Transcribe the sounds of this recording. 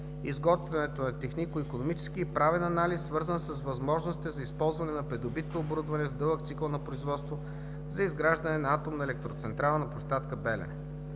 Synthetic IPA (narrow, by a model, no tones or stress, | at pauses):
izɡɔt̪vɛnɛt̪onɐt̪ɛxnikʊikonomit͡ʃɛ̥skiːpɾavɛnɐnalisːvɤɾzənsɐsvɐzmɔʒnosi̥t̪ɛzɐispɔlˠzvɐnɛnɐpɾɛd̪obit̪noːboɾud̪vɐnɛzd̪ɤlˠək̚t̪siklˠnɐpɾoizvɔt̪st̪vo | zɐizɡɾaʒd̪ɐnɛnɐat̪omnɐɛlɛk̚t̪ɾot̪sɛnt̪ɾalˠnɐpost̪at̪kəbɛlɛ̰